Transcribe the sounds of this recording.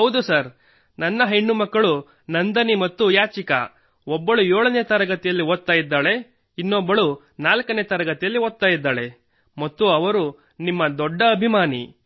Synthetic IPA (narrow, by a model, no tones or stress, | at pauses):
ɦɐwd̪usɐɾ | nɐnːɐɦeɳːumɐkːɐɭu | nɐnd̪ɐnimɐt̪ːujaːt͡ʃika̰ | ɔbːɐɭujoːɭɐnet̪ɐɾɐɡɐt̪ijɐlːiɦoːt̪ːaːjid̪ːaːɭe̞ | inːɔbːɐɭu | naːlkɐnet̪ɐɾɐɡɐt̪ijɐlːiɦoːt̪ːaːjid̪ːaːɭe̞ | mɐt̪ːuɐʋɐɾu | nimːɐd̪ɔɖːɐːbʱimaːnḭ